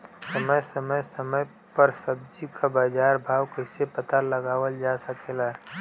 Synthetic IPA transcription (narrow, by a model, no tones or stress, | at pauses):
səməjsəməjsəməj | pəɾsəb̚d͡ʒikʰabaːd͡ʒaːɾbʱaːwkəɪsepət̪alɐɡaːwəld͡ʒaːsɐkʰelaɦɛ